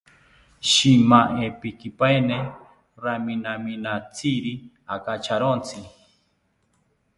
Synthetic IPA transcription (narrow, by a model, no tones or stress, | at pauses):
ʃimaʔepikipaene | ɾaminaminat͡sʰiɾi | akat͡ʃʰaɾont͡sʰi